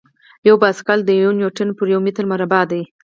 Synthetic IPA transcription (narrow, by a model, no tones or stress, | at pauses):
jawbɑskald̪əjunjoʈənpəɾjawmɪt̪ɾmaɾabɑd̪aj